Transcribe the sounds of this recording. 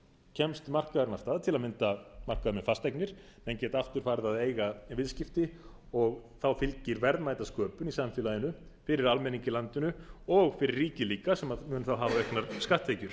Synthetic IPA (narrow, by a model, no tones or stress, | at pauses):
cʰɛmst̪mar̥kaðaɾnast̪aːðt̪ʰɪlaðmɪnt̪amar̥kaðʏɾnʏfast̪ɛjknɪɾ̥ | mɛncɛːt̪aft̪ʏɾ̥faːɾðaðeːjɣavɪðscɪft̪ɪ | ɔɣθawfɪlcɪɾvɛɾðmaːjt̪askœːpʏnisamfɪːlaðɪnʏ | fɪɾɪɾalmɛniŋcɪlant̪ʏnʏɔɣfɪɾɪrːiːcɪliːkasɛmaðmʏːnθawɦaːvavɛhknaɾ̥skaht̪hejcʏɾ̥